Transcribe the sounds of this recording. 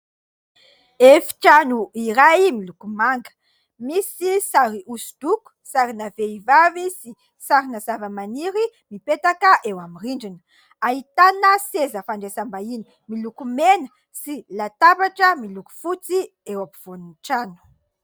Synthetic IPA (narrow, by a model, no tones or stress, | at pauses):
efi̥ʈ͡ʂanuiɾajmilukumaŋɡə̥ | misisaɾiʔusu̥d̪̥uku̥saɾinaveivavisi | saɾinazavəmaniɾimipet̪akəʔewamiriɳɖ͡ʐinə̥ | aɦit̪anəsezəfaɳɖ͡ʐesambaini | milukumenə̥ | silat̪apaʈ͡ʂəmiluku̥fut͡si | ewapiv̥oninʈ͡ʂanu̥